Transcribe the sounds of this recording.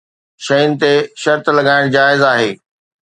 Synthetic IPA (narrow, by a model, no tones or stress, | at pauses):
ʃɐjʊnɪ̆t̪eʃɐɾt̪lɐɠaːɪɽ̃d͡ʑaːɪzaːɦeː